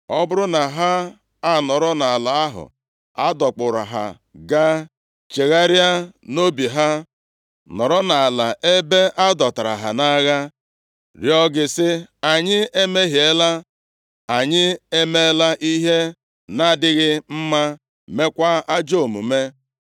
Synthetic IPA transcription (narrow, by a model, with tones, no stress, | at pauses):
ɔ˦bʊ˦ɾʊ˦na˨ɦa˦ | a˦˨nɔ˨ɾɔ˦na˨a˨la˨a˦ɦʊ̰˨ | a˦dɔ˨k͡pʊ˨ɾa̰˨ɦa̰˨ | ɡa˦ | t͡ʃe˨ɣa˦ɾja˦no˦bi˨ɦa˦ | nɔ˨ɾɔ˦na˨a˨la˨ʔe˦be˦ʔa˦dɔ˨ta˨ɾa̰˨ɦa̰˨na˦ɣa˦ | ɾjɔ˦ɡɪ˨sɪ˦a˨ɲɪ˦e˦me˦ɦi˨e˦la˦ | a˨ɲɪ˦e˦me˦la˦ʔi˦ɦe˦ | na˦˨dɪ˦ɣɪ˦m̩˦ma˦ | me˦kʷa˦a˦d͡ʒo˦˨mṵ˨me˦